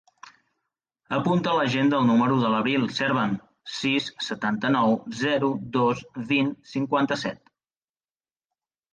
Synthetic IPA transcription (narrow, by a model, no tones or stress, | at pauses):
əpunt̪ələʒend̪əlˠnuməɾuðələβɾilˠsɛɾβən | sisːət̪ant̪ənɔwzɛɾud̪osβinsiŋkwant̪əsɛt̪